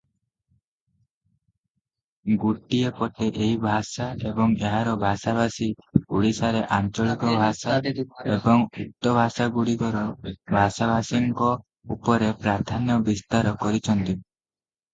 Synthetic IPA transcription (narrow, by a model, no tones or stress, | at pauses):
ɡuʈːiepɔʈeʔeɦibʱasaebɔŋeɦaɾɔbʱasabʱasiɡuɽisaɾeʔant͡ʃɔɭikɔbʱasaebɔŋut̪ːɔbʱasaɡuɽikɔɾɔbʱasabʱasiŋkɔ | upɔɾepɾaɾd̪ʰʱanjɔbist̪aɾɔkɔɾit͡ʃʰɔnt̪i